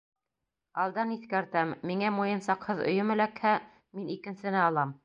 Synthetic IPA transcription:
ɑlˠd̪ɑniθkæɾt̪æmːiŋæmujɤ̆nsɑqhɤðɵ̰̆jɵmɘ̆lækhæ | minikɘ̆nsɘ̆nɘɑlˠɑm

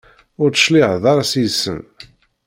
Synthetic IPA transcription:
ʊɾt͡sə̥ʃlɪʕðˤɑɾˤɑsisə̰n

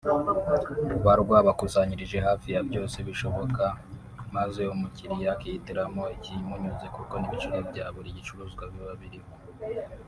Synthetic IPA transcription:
βaɾɡwaβakuzaɲiɾiʒe̞ɦaːfijabɟo̞ːse̞βiʃo̞βo̞ka | mazeomuciɾijakijitiɾamo̞icimuɲuzekuko̞niβit͡ʃuɾebɟaβuɾiɟit͡ʃuɾuːzɡwaβjoβaβiɾimo

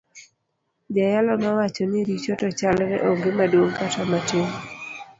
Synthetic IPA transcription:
d͡ʒajalɔmawat͡ʃɔnɪɾit͡ʃɔtɔt͡ʃalɾɛ̰ʔɔŋɡemadwoŋkatamateŋ

